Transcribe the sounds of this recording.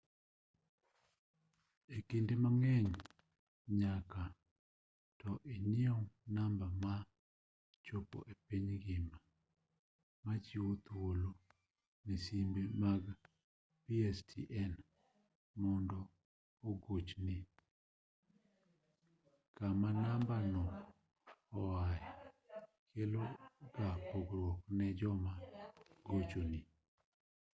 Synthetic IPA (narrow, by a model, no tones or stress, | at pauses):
ekindemaŋɛɲ | ɲaka | tɔʔenɪɔŋnambama | t͡ʃopo̰ʔepiɲɡɪma | mat͡ʃiwot̪wolo | nisimbemaɡ | piɛstʰḭʔɛn | mɔndɔː | ɡot͡ʃni | kamanambanɔ | ɔwaɛ | kʰeloɡapoɡɾwɔknɛd͡ʒɔmaɡot͡ʃoni